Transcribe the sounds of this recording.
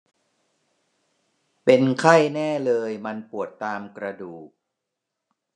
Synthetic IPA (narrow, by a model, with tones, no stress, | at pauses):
pe˧nkʰa˥˩jnɛː˥˩lɤː˧jma˧npu˨˩ət̪ːaː˧mkɾa˧duː˨˩k̚